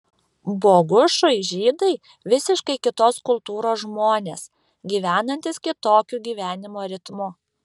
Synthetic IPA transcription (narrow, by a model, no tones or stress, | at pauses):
boːɡʊʃʊɪʒʲiːd̪ɐɪ | ʋʲɪsʲɪʃkɐɪkʲɪt̪oːskʊlˠt̪uːɾoːsʒmoːnʲeːs | ɡʲiːʋʲæːnɐnʲt̪ʲɪskʲɪt̪oːkʲuːɡʲiːʋʲæːnʲɪmoːɾʲɪt̪mʊ